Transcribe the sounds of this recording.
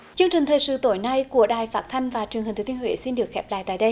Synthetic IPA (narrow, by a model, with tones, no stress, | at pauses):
t͡ɕɨ˧əŋt͡ɕï˨˩ŋ̟t̪ʰəː˨˩jsɨ̰˧˨t̪o˧˨˦jna˧jku˧˩əɗaː˨˩jfaː˦˥t̚t̪ʰa˧jŋ̟vaː˨˩t͡ɕwŋhi˨˩t̪ʰːt̪ənhwḛ˧˦si˧nɗɨ˨˩ək̚xɛ˦˥p̚la̰ː˧˨jt̪a̰ː˧˨jɗə˧j